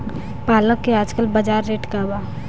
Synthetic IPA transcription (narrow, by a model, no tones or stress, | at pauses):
paːləkːeaːd͡ʒkəlbɐd͡ʒaːɾːeːʈkabaː